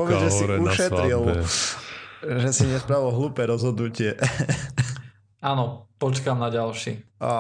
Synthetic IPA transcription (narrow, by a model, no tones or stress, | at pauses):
ɔʋɛʒɛsiuʃɛt̪ɾɾil | ʒɛsiɲɛspɾaʋilɦluːpɛːɾɔzɦɔd̪nucɪɛ | anɔpɔt͡ʃkamnaɟalʃi